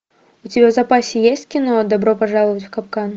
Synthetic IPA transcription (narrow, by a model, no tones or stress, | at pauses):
ut͡sʲɪbʲazapasʲijesʲt͡sʲkʲinɔd̪abɾɔpaʐalˠɨvɐt͡sʲwkapkan